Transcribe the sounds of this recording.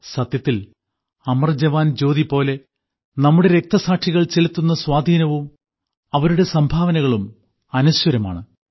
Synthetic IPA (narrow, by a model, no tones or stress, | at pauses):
sɐt̪jɐt̪ːil | ɐmɐrd͡ʑɐʋaːnd͡ʑo̞ːðipo̞ːle̞ | nɐmːuɽe̞ɾe̞k̚t̪ɐsaːʈʂiɣɐɭt͡ɕelut̪ːunːɐswaːd̪ʱiːnɐʋum | ɐʋɐɾuɽe̞sɐmbʱaːʋɐnɐɣɐɭum | ɐnuɕwɐɾɐma̰ːɳɨ